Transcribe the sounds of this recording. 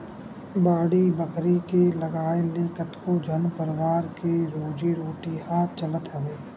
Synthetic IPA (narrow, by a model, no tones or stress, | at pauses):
baːɽibəkʰɾikelɐɡaːeleːkət̪kod͡ʒʱənpəɾɪwaːɾkeɾoːd͡ʒiɾoːʈiɦaːt͡ʃələt̪ɦɐʋeː